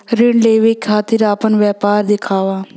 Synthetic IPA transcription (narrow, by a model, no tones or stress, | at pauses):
ɾɪɳləiʋeːkʰaːt̪ɪɾaːpənʋɛːpaːɾd̪ɪkʰaːʋaː